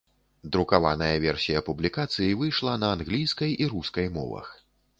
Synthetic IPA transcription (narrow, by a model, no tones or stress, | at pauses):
d̪ɾukava̰nɐjɐvʲɛrsʲijɐpublʲikat̪sɨjivɨjʂlˠɐnɐanɣlʲijskɐjiɾuskɐjmɔ̰vɐ̰x